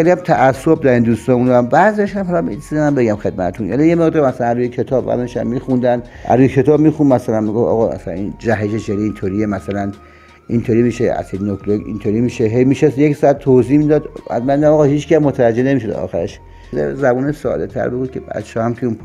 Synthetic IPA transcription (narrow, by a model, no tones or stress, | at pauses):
xeliæmt̪ʰæʔæsːobd̪æɾind̪ust̪ɒːmund̪æmbæziɒʃhæmɦɒlɒmisid̪emæmbeɡæmxe̞d̪̚mæt̪ʰet̪ʰunʔæ̰lijemeɣd̪ɔɾmæsælænruːjekʰet̪ʰɒːbvæ̰zʃæ̰mːiːxund̪ænd̪æ̰ɾuːjekʰe̞t̪ʰɒːbmiːxunmæsælænmiɡofɒ̰ːɣɒːmæ̰sælæ̰nind͡ʒæɦeʃeʃeɾiint̪ʰoɾiemæsælæn | ʔint̪ʰoɾimiʃeæ̰sed̪inokʰloɡḭnt̪ʰoːɾimiːʃeɦejmiʃesjeksæt̪̚t̪ʰːozimid̪ɒːd̪æ̰zmænid̪æmɒːɣɒːhiːt͡ʃkʰæsmot̪ʰævæd͡ʒːene̞miːʃ̬od̪̰ɒ̰ːxæɾeʃ | d̪ḛzæbuːneʃsɒ̰ːd̪et̪ʰæ̰ɾbeɡuːd̪̚kʰebæ̰t͡ʃʰɒhæmkʰeun